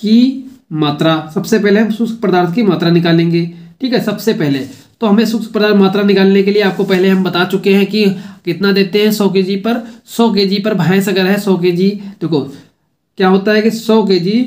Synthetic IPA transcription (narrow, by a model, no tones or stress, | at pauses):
kimaːt̪ɾasɐbsepɛɦleɦɐ̃msʊkspɾəd̪aːɾt̪ʰkimaːt̪ɾanɪkaːlẽːŋɡeːʈʰiːkɦɛsɐbsepɛɦle | t̪oɦɐmẽsʊks̚pɾəd̪aːɾmaːt̪ɾanɪkaːlnekelieaːp̚kopɛɦleɦɐ̃mbɐt̪at͡ʃʊkeɦɛ̃kikɪt̪nad̪eːt̪eɦɛ̃sɔːk̬ed͡ʒipɐɾsɔːk̬eːd͡ʒipəɾbʱaːẽsɐɡəɾɦɛsɔːked͡ʒiːd̪̥eːkʰoː | kjaːɦoːt̪aɦɛkisɔːk̬ed͡ʒiː